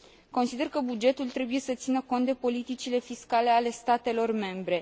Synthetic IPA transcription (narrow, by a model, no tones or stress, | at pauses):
ko̞nsid̪e̞rkəbud͡ʒe̞t̪ult̪ɾe̞buje̞sət̪sinəko̞nt̪d̪epo̞lit̪it͡ʃile̞fiskale̞ale̞st̪at̪e̞lo̞rme̞mbɾe̞